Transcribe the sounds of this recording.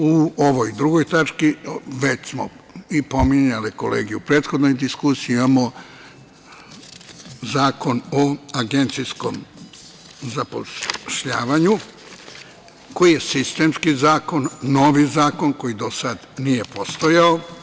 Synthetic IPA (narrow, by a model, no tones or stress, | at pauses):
uoʋojd̪ɾuɡo̞jt̪at͡ʃkiʋe̞t͡ɕsmo̰ | ipo̞miɲalikolḛːɡijuupɾe̞ːt̪xod̪no̞jd̪iskusijimamo | zaːko̞noaɡent̪sisko̞̰m | zapo̰ʃʎaːʋaɲu | ko̞jije̞sist̪e̞mskizaːko̞nːo̞ʋizaːko̞nko̞jid̪o̞sad̪nije̞post̪ojao